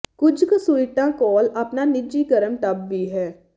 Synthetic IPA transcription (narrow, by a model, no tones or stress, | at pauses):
kʊd͡ʒksuiʈãːkɔːləpnaːnɪd͡ʒiːkəɾəmʈ̪əbʋiːɦɛː